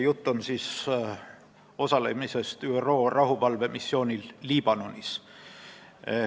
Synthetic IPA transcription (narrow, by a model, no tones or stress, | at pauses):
jut̪ˑːonsis | o̞sɑle̞̰mise̞st̪yero̞ːrɑɦuvɑlve̞misːjo̞ːnʲilːiːb̥ɑno̞nʲis